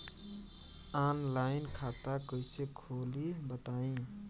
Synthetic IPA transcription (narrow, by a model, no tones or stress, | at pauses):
anlaɪnkʰat̪akəɪsekʰolibət̪aĩ